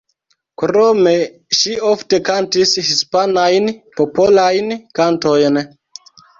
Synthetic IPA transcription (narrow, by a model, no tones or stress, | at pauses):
kɾome | ʃiofte̞kantishispanajnpopo̞lajnkanto̞jn